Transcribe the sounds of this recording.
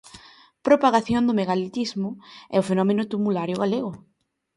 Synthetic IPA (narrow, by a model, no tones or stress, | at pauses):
pɾopaɣaθjond̪ʊmeɣalit̪izmʊɛ̰ʊfenɔmenʊt̪umulaɾjʊɣaleɣʊ